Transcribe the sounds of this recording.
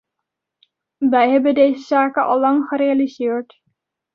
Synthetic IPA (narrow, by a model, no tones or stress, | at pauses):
ʋɛjɦɛbəndejzəzaːkəʔɑ̰lˠːɑŋχəɾealizɪːɹt